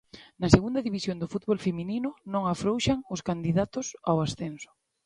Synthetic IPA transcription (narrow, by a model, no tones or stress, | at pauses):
naseɣund̪aðiβisjond̪ʊfut̪̚βolfemininʊnõŋafɾowʃaŋʊskand̪iðat̪ʊsawasθensʊ̥